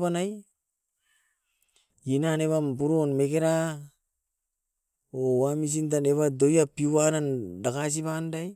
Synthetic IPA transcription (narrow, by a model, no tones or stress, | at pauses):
panaj | inaneβampuɾonmekeɾa | owamis̬int̬aneβadojapiuanandakas̬ipandaj